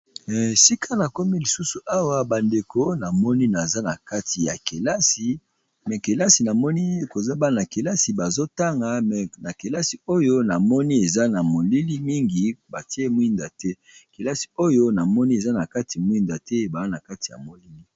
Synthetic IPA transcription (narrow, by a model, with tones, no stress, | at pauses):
si˦kʰa˦na˨ko˦mi˦li˨su˦su˨ʔa˦wa˦ba˨nde˨ko˦na˨mɔ˦ni˦na˨za˦na˨ka˦ti˨ja̰˨ke˨la˦si˨ | mɛ˨ke˨la˦si˨na˨mɔ˦ni˦e˦ko˨za˦ba˦na˨ke˨la˦si˨ba˨zo˦ta˦ŋɡa˨mɛ˨na˨ke˨la˦si˨o˦jo˦na˨mɔ˦ni˦e˨za˦na˨mo˨li˦li˦mi˦ŋɡi˨ba˨ti˦e˦mwi˦nda˨tɛ˦ | ke˨la˦si̥˨o˦jo˦na˨mɔ˦ni˦e˨za˦na˨ka˦tʰi˨mwi˦nda˨tɛ˦ba˨a˦na˨ka˦ti̥˨ja̰˨mo˨li˦li˦